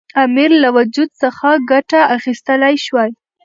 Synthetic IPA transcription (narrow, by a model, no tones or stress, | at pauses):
amiɾlawad͡ʒud̪̚səxaɡaʈaaxist̪əlajʃwaj